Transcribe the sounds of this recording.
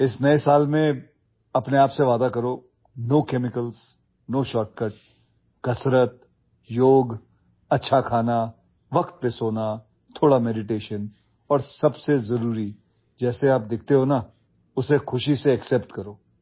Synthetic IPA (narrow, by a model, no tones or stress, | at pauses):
ɪsnɐesaːlmẽ | ɐpneaːpseʋaːd̪akɐɾoː | noːkɛːmɪkəls | noːʃɔːʈ̚kəʈ̚ | kɐsɾət̪̚ | joːɡ | ɐtːʃʰakʰaːna | ʋɐkt̪̚pesoːna | t̪ʰoːɽamɛːɖɪʈeːʃən | ɔːɾsɐbsezɐɾuːɾi | d͡ʒɛːseaːp̚d̪ɪkʰt̪eɦoːna | ʊsexʊʃiseɐksɛːpʈkɐɾoː